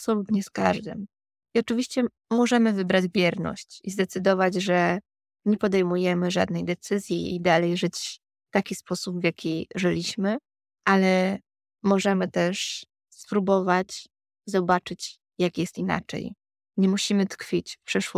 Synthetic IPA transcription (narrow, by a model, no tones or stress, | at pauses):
apsɔlut̪ɲɛska̰ʐd̪ɨ̰m | iɔt͡ʂɘvʲiɕt͡ɕɛ | mɔʐɛmɘvɘbɾad͡ʑvʲjɛɾnɔ̰ɕt͡ɕizd̪ɛt̪sɘd̪ɔvad͡ʑʐɛ | ɲɛpɔd̪ɛjmujɛmɘʐa̰d̪̚nɛjd̪ɛt̪sɘzʲjiḭd̪alɛjʐɘt͡ɕ | ft̪akʲispɔsubvjakʲiʐɘlʲiɕmɘ | ʔalɛ | mɔʐɛmɘt̪ɛʂ | spɾubɔvat͡ɕ | zɔbat͡ʂɘt͡ɕ | jakjɛst̪ina̰t͡ʂɛ̰j | ɲɛmuɕimɘt̪kfʲit͡ɕpʂɛʂwɔ